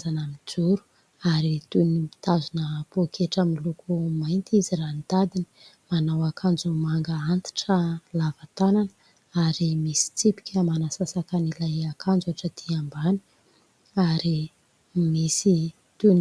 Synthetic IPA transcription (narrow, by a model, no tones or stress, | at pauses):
zanamid͡zuɾu̥ | aɾit̪unimi̥t̪azunəpokʰeʈ͡ʂəmilukumajnt̪izirant̪ad̪ini̥ | manawakʰand͡zumaŋɡəant̪i̥ʈ͡ʂəlavat̪anan | aɾimisi̥t͡sipi̥kʲʰəmanasasakanilajakʰand͡zuaʈ͡ʂəd̪̥iambani̥ | aɾi | misi | t̪un